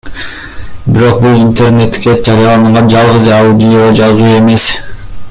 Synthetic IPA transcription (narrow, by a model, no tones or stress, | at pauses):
biɾo̞q̚bulˠint̪ʰe̞rne̞t̪ːkʲed͡ʒɑɾijɑlˠɑnɯɴʁɑnd͡ʒɑlˠʁɯzaud̪ʲijod͡ʒɑzuːe̞me̞s